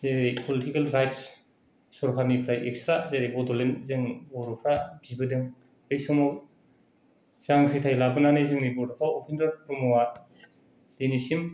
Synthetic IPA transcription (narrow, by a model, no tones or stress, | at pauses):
zeɾepʰɔlitikelɾajts | sɔɾkʰanipʰɾajʔekstɾazeɾebɔdɔlenzɯŋbɔɾɔpʰɾabibɯdɯŋ | bɯjsɔmɔ | zaŋsitʰajlabɯnanezɯŋnibɔɾɔpʰaopʰindɔɾpʰɾɔmɔwa | denisim